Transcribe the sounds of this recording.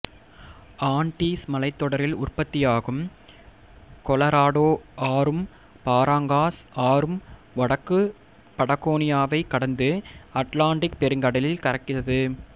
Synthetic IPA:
aːɳʈiːsmɐlɐɪt̪ːɔɽɐɾɪlʊrpɐt̪ːɪjaːɣɯm | kɔlɐɾaːɽoːaːɾɯm | paːɾaːŋɡaːsaːɾɯm | ʋɐɽɐkːɯ | pɐɽɐɣoːnɪjaːʋɐɪkːɐɽɐnd̪ɯɐʈlaːɳɖɪk̚pɛɾɯŋɡɐɽɐlɪlkɐɾɐkːɪrɐðɯ

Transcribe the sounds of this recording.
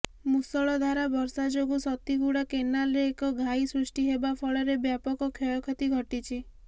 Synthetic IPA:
musɔɭɔd̪ʱaɾabɔɾsad͡ʒoɡusɔt̪iɡuɽakenalɾeːkɔɡʱaisɾusʈiɦebapʰɔɭɔɾebjapɔkɔkʰjɔjɔkʰɔt̪iɡʱɔʈit͡ʃʰi

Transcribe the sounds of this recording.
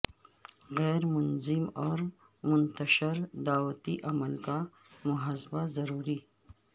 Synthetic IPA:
ɣɛːɾmʊnzɪmɔːɾ | mʊnt̪aʃɪɾd̪aːwat̪iʔaməlt̪a | mʊɦasbazɐɾuːɾi

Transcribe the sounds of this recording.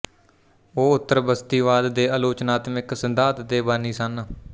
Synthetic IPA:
oːʊt̪ːəɾbəst̪iːʋaːd̪ːeːaːloːt͡ʃnaːt̪mɪksənd̪aːt̪d̪eːbəniːsən

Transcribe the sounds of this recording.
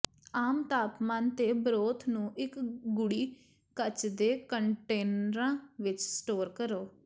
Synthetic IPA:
aːmt̪aːpmaːnt̪eːbɾoːt̪ʰnũːʔɪkɡʊɽiː | kət͡ʃd̪eːkəɳʈeːnəɾãːʋɪt͡ʃsʈoːɾkəɾoː

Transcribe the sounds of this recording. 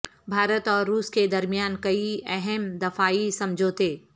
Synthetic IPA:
bʱaːɾət̪ɔːɾːuːsked̪ɐɾmijaːnkɐiɛɦɛmd̪ɐfaːisɐ̃md͡ʒʱot̪ʰeː

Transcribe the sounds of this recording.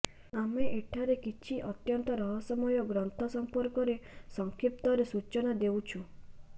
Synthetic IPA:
ameʔeʈʰaɾekit͡ʃʰiʔɔt̪jɔnt̪ɔɾɔɦɔsɔmɔjɔɡɾɔnt̪ʰɔsɔmpɔɾkɔɾesɔŋkʰip̚t̪ɔɾesut͡ʃɔnad̪ewt͡ʃʰu

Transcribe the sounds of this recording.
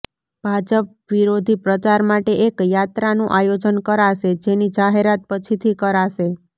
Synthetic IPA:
b̥ʱad͡ʒəp̚ | ʋiɾod̪ʱipɾət͡ʃaɾmaʈeʔekjat̪ɾanũʔajod͡ʒənkəɾaʃed͡ʒenid͡ʒaɦeɾat̪̚pət͡ʃʰit̪ʰikəɾaʃe

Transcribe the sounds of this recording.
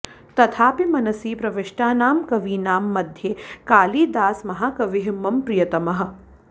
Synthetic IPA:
t̪ɐt̪ʰaːpimɐnɐsiːpɾɐʋeʂʈaːnaːmkɐʋiːnaːmːɐd̪ʱjeːkaːliːd̪aːsmɐɦaːkɐʋɪɦimːɐmpɾijɐt̪ɐmɐɦɐ̆

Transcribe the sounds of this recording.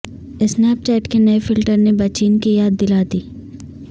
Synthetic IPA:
ɪsnɛɐp̚t͡ʃɛːʈkenɐefɪlʈəɾnebɐt͡ʃiːnkijaːd̪ːɪlaːd̪iː

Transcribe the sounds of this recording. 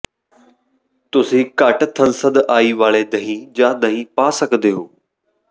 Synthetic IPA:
t̪ʊsĩːkaʈt̪ʰənsəd̪aːiːʋaːɭeːd̪əɦĩːd͡ʒãːd̪əɦĩːpaːsəkd̪eːɦoː

